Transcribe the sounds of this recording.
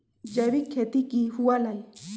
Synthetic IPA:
d͡ʒaβikʰet̪ikihualaj

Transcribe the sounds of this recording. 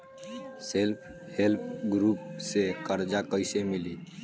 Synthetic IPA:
selpʰ | help̚ʰɡɾuːpsekəɾd͡ʒakəɪsemɪli

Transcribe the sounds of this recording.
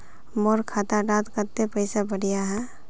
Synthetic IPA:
moɾkʰaːt̪aɖaːt̪kəɾt̪epəɪsabəɽijaɦɛ̃ː

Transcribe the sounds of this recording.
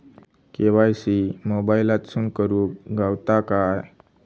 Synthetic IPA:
keʋajsimobailat̪suːnkəɾuːkɡawt̪akaj

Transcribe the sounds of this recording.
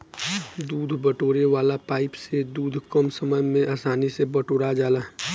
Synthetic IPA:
d̪uːd̪ʱbəʈoːɾeʋaːlapaːɪpsed̪uːd̪ʱkəmsəməd͡ʒmẽʔaːsaːnisebɐʈoːɽad͡ʒaːlaː

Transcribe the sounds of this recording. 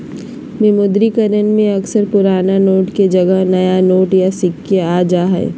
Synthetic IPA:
mɪmʊd̪ɾikəɾənmẽɐksəɾpʊɾaːnanoːʈked͡ʒɐɡəɦnɐjanoːʈjasɪkːeaːd͡ʒaːɦɛ̰ː

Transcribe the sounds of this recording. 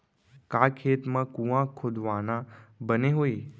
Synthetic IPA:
kakʰet̪mãkũʋãkʰod̪ʋanãbəneɦoj

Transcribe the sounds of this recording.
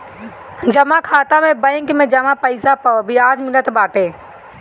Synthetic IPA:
d͡ʒɐmakʰaːt̪amẽbə̃ɪŋkmẽd͡ʒɐmapəɪsapəbiaːd͡ʒmɪlət̪baːʈeː

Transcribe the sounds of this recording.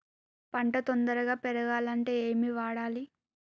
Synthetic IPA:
pɐɳʈɐt̪ond̪ɐɾɐɡaːpɛɾɐɡaːlɐɳʈe̞ːeːmiʋaːɽaːli

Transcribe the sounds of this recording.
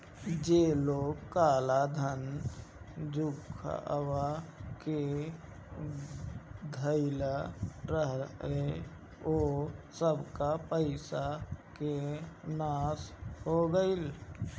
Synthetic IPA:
d͡ʒeloːɡkaːlad̪ʱən | d͡ʒʱukʰə̰wake | d̪ʱəɪlaɾəɦe | osəbkapəɪsakenaːshoɡəɪl

